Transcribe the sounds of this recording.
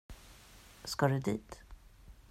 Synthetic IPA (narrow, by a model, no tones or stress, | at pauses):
skaɖɵd̪ḭːt̪